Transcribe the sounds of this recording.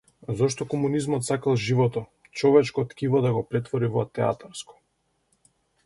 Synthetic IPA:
zɔʃt̪ɔkɔmunizmɔt̪sakalˠʒivɔt̪ɔ | t͡ʃɔvɛt͡ʃkɔt̪kʲivɔd̪aɡɔpɾɛt̪vɔɾivɔt̪ɛa̰t̪aɾskɔ̥

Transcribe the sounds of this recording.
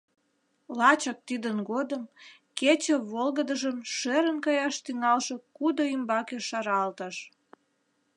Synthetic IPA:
lɑt͡ɕək̚t̪id̪ənɡod̪əm | ket͡ɕə̆βolɣəd̪əʒəmʃeɾənkɑjɑʃt̪yŋɑlʃekud̪oimbɑkeʃɑɾɑlt̪ɑʃ

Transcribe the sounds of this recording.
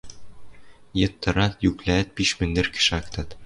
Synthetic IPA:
jɤ̆t̪ːɤ̆ɾɑt̪jʉklæt̪̚biʃmɘ̆nd̪ɘ̆ɾkɘ̥̆ʃækt̪ɑt̪

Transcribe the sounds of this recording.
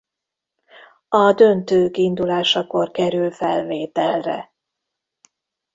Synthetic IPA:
ɒd̪ø̞nt̪øːkind̪ulaːʃɒko̞rkɛɾylfɛlveːt̪ɛlrɛ̰

